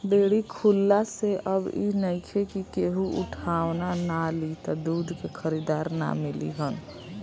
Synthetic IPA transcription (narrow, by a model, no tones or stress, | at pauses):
beːɽikʰulːaseʔəbḭnəikʰekikeɦuʔʊ̰ʈʰaːʋnanalit̪ɔd̪uːd̪ʱkekʰəɾid̪aːɾna̰mɪlḭɦən